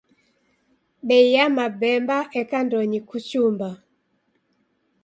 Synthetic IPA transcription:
ɓɛijamabɛmbaʔɛkandɔɲikut͡ʃumba

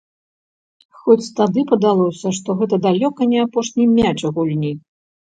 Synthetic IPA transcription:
xɔt͡sʲt̪ad̪ɨpɐd̪alˠɔsʲɐʂt̪ɔɣɛt̪ɐd̪alʲɔkɐnʲɛapɔʂnʲijmʲat͡ʂɐɣulʲnʲi

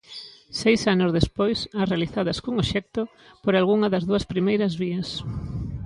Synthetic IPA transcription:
sejsanʊzðespojsarealiθaðɐskoŋoʃɛk̚t̪o | poɾalɣuŋɐðɐzðuɐspɾimejɾɐzβiɐs

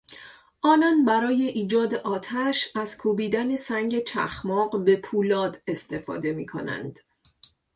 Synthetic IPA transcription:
ʔɒːnɒːnbæɾɒːje̞ʔiːd͡ʒɒːd̪eʔɒːt̪ʰæʃæz̥kʰubiːd̪æne̞sæŋɟe̞t͡ʃʰæ̰xmɒːɢbe̞pʰuːlɒːd̪e̞st̪e̞fɒ̰ːd̪e̞mḭːkʰo̞̰næ̰nd̪̥

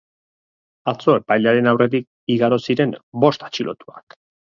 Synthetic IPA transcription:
at͡so̞e̞pajʎaɾe̞nawre̞t̪ik̚ | iɣaɾo̞siɾe̞mbo̞st̪ḁt͡ʃilʔo̞̰t̪ua̰k

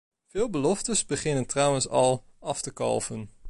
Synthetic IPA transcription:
v̥ɪːlˠbəlɔftəsbəχɪnəntrʌwənsɑlˠ | ɑftəkɑ̰lˠvən

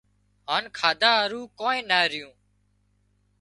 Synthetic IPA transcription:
ɦaːnkʰaːd̪aːɾuːkoːnẽːnaːɾɪjũː

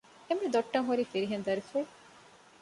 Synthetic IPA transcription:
emːid̪oʈːɐŋɦuɾiːfiɾiɦend̪ɐɾife

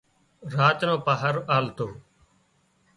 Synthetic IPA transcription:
ɾaːt͡ʃnõːpaːɦəɾaːlt̪oː

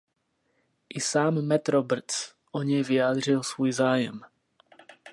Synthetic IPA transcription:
ʔisaːmːɛt̪ɾɔbr̩t͡s | ʔɔɲɛjvɪaːd̪r̝ɪlsvujzaːjɛ̰m

